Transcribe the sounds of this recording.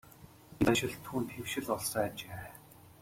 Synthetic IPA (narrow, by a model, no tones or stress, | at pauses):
naʃɪ̆ɮt̪ʰuːnt̪ʰewʃɪ̆ɮɔɮsaːat͡ɕeː